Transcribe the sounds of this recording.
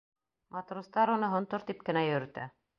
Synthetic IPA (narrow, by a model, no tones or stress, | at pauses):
mɑt̪rust̪ɑɾŏnɤɦŏnt̪oɾt̪ipkɘ̆næjɵ̆ɾɘ̆t̪æ̰